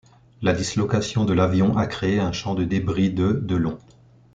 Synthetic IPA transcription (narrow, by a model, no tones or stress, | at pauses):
lad̪islɔkasjɔ̃d̪əlavjɔ̃ʔakχeːɛ̃ʃɑ̃d̪əd̪ebʁid̪əd̪əlɔ̃